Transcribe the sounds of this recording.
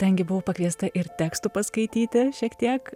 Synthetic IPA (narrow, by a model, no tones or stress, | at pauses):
t̪ɐŋʲɡʲɪbʊʋoːpɐkʋʲiɛst̪ɐʔɪɾt̪ʲæːkst̪upɐskɐɪt̪ʲiːt̪ʲɪʃʲiɛkt̪ʲiɛk